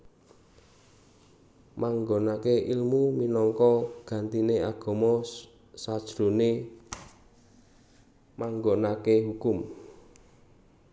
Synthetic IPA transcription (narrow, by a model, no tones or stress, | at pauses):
maŋɡonakeʔilmuminɔŋkɔɡ̥ä̤nt̪ineaɡ̥ɔ̤mɔ | sad̥ʒ̥ɾone | maŋɡonakeɦukʊm